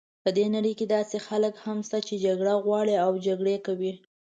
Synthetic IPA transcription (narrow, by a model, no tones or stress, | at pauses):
pəd̪enaɽəjked̪ɑsexaləkhamst̪at͡ʃed͡ʒaɡɽaɣwɑɽiawd͡ʒaɡɽekawi